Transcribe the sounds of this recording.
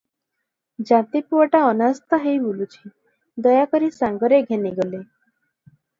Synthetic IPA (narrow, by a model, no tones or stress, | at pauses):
d͡ʒat̪ipuɔʈaɔnast̪ɔɦejbulut͡ʃʰi̥ | d̪ɔjakɔɾisãŋɡɔɾeɡʱeniɡɔle